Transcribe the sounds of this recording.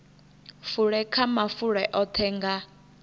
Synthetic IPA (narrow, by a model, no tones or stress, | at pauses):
fuɺɛkʰamafuɺɛʔɔtʰɛːŋɡa